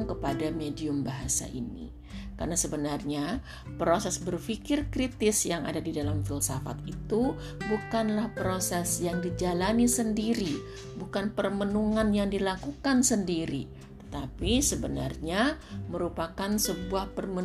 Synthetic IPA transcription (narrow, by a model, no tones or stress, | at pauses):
ŋkəpadamediʊmbaɦasa̰ʔḭnḭ | ka̰rnasəbənarɲa | pɾosɛsbərfikɪrkɾit̪ɪsjaŋa̰dadidalamfilsafa̰t̪̚it̪u | bukanlahpɾosɛsjaŋdid͡ʒalanisəndiɾi | bukanpərmənuŋanjaŋdilakukansəndiɾḭ | t̪ə̥t̪apisəbəna̰rɲaməɾupakansəbuahpərmə